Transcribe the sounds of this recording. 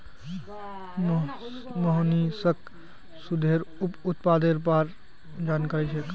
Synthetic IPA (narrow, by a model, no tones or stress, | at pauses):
m | məɦnisək | sud̪ʱeɾupʊt̪paːd̪eɾp̬aɾ | d͡ʒaːnkaɾit͡ʃʰek